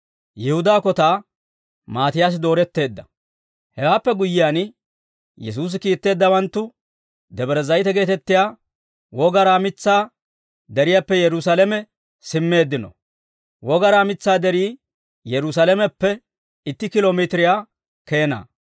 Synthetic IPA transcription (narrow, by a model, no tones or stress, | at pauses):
jɪhʊd̪aːkɔt̪aː | maːt̪ɪjaːs̬ɪd̪o̞ːɾɛt̪ːe̞ːd̪ːɐ | hɛwaːpːɛɡʊjːɪjan | jɛs̬uːs̬ɪkiːt̪ːe̞ːd̪ːɐwɐnt̪ːʊ | d̪ɛbɛɾɛzɐjt̪ɛɡe̞ːt̪ɛt̪ːɪjaː | wɔɡɐɾaːmɪt͡sːaː | d̪ɛɾɪjapːɛjɛɾʊsalɛmɛ | sɪmːe̞ːd̪ːɪnɔ̰ | wɔɡɐɾaːmɪt͡sːaːd̪ɛɾiː | jɛɾʊsɐlɛmɛpːɛ | ɪt̪ːɪkɪloːmit̪ɪɾɪjaː | keːna̰ː